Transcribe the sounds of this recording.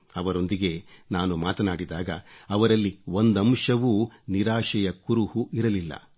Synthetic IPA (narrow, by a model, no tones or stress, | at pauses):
ɐʋɐɾo̞nd̪iɡe̞naːnumaːt̪ɐnaːɽid̪aːɡɐ̰ɐʋɐɾɐlːio̞nd̪ɐmʂɐʋuːniɾaːʂɐjɐkuɾuhuʔiɾɐlilːɐ̰